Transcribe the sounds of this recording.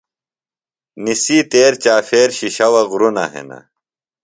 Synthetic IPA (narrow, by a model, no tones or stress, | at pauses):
nisiːt̪eːɾt͡ɕaːfeːɾɕiɕɐwɐɣɾunɐ̰ɦḛna̰